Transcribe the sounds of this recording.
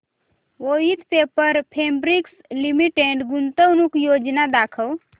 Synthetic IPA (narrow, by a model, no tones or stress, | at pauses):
oːit̪pepəɾpʰeːmbɾikslimiʈeɳʈɡunt̪əwnukjoːd͡ʒnad̪aːkʰəw